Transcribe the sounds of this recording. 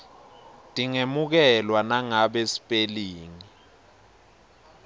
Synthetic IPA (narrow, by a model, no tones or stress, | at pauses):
tʼiŋemuk̬ɛlwanaŋaɓesi̥pʼeliːŋi